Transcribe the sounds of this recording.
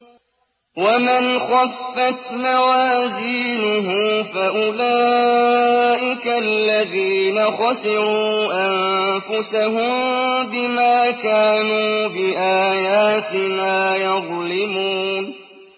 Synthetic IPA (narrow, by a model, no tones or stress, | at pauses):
wamɪnxafːat̪mawaːziːnʊɦʊmfaʔʊlaː | ʔɪkalːaðiːnaxɑsɪɾuːʔanfʊsaɦʊmbɪmaːkaːnuːbɪʔaːjaːt̪ɪnaːjɑðˤlɪmuːn